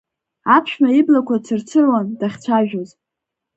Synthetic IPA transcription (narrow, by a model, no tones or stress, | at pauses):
apʰʃᶣmaiblakʷʰat͡sʰɨrt͡sʰɨrwandaχʲt͡sʷʰaʒᶣoz